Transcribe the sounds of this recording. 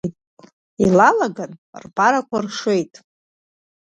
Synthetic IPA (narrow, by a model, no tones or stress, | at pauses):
tʼ | ilalaɡanrpʼaɾakʷʰarʂejtʼ